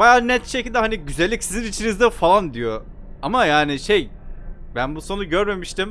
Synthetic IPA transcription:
bajaːnɛt̪ʃecilʲd̪ɛɦaniɟyzælʲːicsizinit͡ʃʰinizd̪ɛfalˠand̪ijo̞ | amajaːniʃejbænbuso̞nuɟøɾme̞miʃt̪im

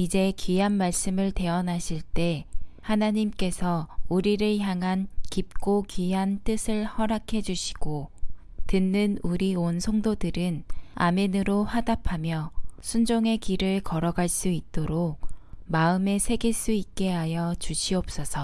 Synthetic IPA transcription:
id͡ʑe̞kɥiɦanmaɭs͈ɯmɯɭte̞ʌnaɕʰiɭt͈e̞hanaɲimk͈e̞sʰʌuɾiɾɯɭçjaŋɦankip̚k͈okɥiɦant͈ɯsʰɯɭhʌɾakʰe̞d͡ʑuɕʰi̥ɡ̥o | tɯnːɯnuɾionsʰʌŋdodɯɾɯna̰menɯɾoɸadapʰamjʌsʰund͡ʑoŋe̞kiɾɯɭkʌɾʌɡaɭs͈uit̚t͈oɾok̚maɯme̞sʰe̞ɡiɭs͈uit̚k͈e̞ɦajʌt͡ɕuɕʰiʌp̚s͈ʌsʰʌ

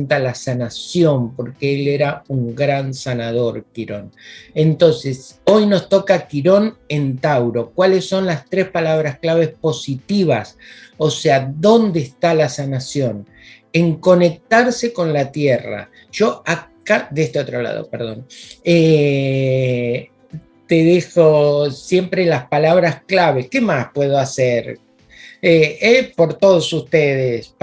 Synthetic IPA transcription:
nt̪alasanasjo̞mpo̞ɾkeeleɾauŋɡɾansanað̞o̞ɾkiɾo̞nent̪o̞nseso̞jno̞st̪o̞kakiɾo̞nent̪awɾo̞kwalesːo̞nlast̪ɾe̞spalaβ̞ɾasklaβ̞e̞spo̞sit̪iβasosead̪o̞nd̪eːst̪alasanasjo̞n | eŋko̞ne̞k̚t̪aɾseko̞nlat̪jera̰ | ʒ̥o̞akad̪eest̪eot̪ɾola̰ð̞o̰peɾðo̞̰ne | t̪eðixosje̞mpɾelaspalaβɾasklaβekemaspweð̞oaseɾ | eepo̞ɾt̪oð̞osust̪eðes

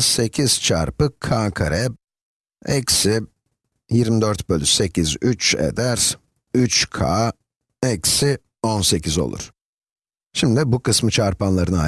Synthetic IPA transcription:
se̞cʰiz̥t͡ʃʰa̰ɾpɯkʰaːkʰaɾɛb̚ | ɛ̰ksi | jiɾmid̪øɾt̪bølʲyse̞cʰizyt͡ʃḛd̪æɾ | yt͡ʃkʰa̰ː | ɛksi | onse̞cʰizo̞̰lˠṵɾ̥ | ʃimd̪ibukɯsmɯt͡ʃʰaɾpanlˠaɾɯna

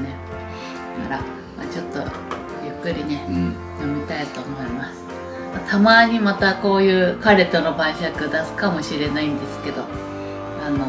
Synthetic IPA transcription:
ne | akaɾa | ma̰t͡ɕo̞t̪ːo̞̰ | jɯkːɯ̟ɾʲine̞ | jo̞mʲit̪ait̪o̞ːmo̞imasɨ̥ | mat̪ʰamaːɲ̟imat̪ako̞ːjɯ̟ːkaɾe̞t̪ːo̞no̞bãĩɕakɯ̟d̪asɨ̥kamo̞ɕiɾe̞naĩnd̪e̞sɨ̥ke̞d̪o̞ | ano̞

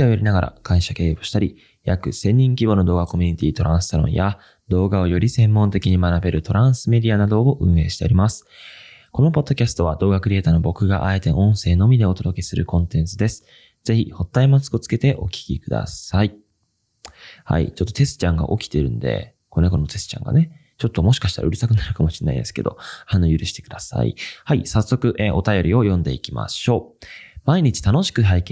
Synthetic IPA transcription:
ojaɾʲinaɡaɾʔa̰kãɰ̃ɕake̞ːboɕi̥t̪aɾʲi | jakɯ̟sẽ̞ɲ̟ːĩŋkʲibo̞no̞d̪o̞ːɡako̞mʲiɲ̟it̪ʲiːt̪o̞ɾʔãɰ̃sɨ̥saɾõ̞̰ɰ̃ja | d̪o̞ːɡao̞jo̞ɾʲisẽ̞mːõ̞nt̪e̞kʲiɲ̟imanabe̞ɾɯ̟t̪o̞ɾãɰ̃sɨme̞d̪ʲianad̪o̞oʔɯ̟̃ɰ̃e̞ːɕi̥t̪e̞o̞ɾimasɨ̥ | ko̞no̞po̞d̪ːo̞kʲasɨ̥t̪o̞βad̪o̞ːɡakɯ̟ɾʲiet̪aːno̞bo̞kɯ̟ɡaʔae̞t̪e̞ʔõ̞ɰ̃se̞ːno̞mʲid̪e̞o̞t̪od̪o̞ke̞sɨɾɯ̟kõ̞nt̪ẽ̞nt͡sɨd̪e̞sɨ̥ | z̥e̞çiho̞t̪ːaimat͡sɨ̥kot͡sɨ̥ke̞t̪e̞ʔo̞kʲi̥kʲḭkɯ̟d̪a̰sai | ha̰ḭt͡ɕo̞t̪ːo̞t̪e̞sɨ̥t͡ɕãŋɡa̰ʔo̞kʲi̥t̪e̞ɾɯ̟̃nd̪e̞̰ | koneɡo̞no̞t̪e̞sɨ̥t͡ɕã̰ŋɡa̰ne | t͡ɕo̞t̪ːo̞mo̞ɕi̥kaɕi̥t̪aɾa̰ɯ̟ɾisakɯ̟naɾɯ̟kamo̞ɕi̥nːa̰ḭd̪e̞sɨ̥ke̞d̪o̞̰hãnːojɯ̟ɾɯ̟ɕi̥t̪e̞kɯ̟d̪asa̰ḭhaisasːo̞kɯ̟ʔeʔo̞t̪ajo̞ɾʲio̞jõ̞nd̪e̞̰ikʲima̰ɕo̞ːmaiɲ̟it͡ɕi̥t̪ano̞ɕi̥kɯ̟ɦaikẽ

